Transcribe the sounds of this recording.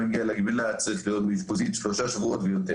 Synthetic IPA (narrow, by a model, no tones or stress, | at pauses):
eɡialaɡbilat͡saʁiχlijot̪mit̪pozit̪ʃloʃaʃvuʔot̪vejomt̪e